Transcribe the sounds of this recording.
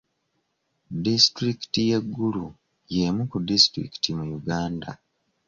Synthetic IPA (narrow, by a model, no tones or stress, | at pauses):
distɾiki̥tijeɡːulu | jeːmukudistɾḭki̥timujuɡaːnda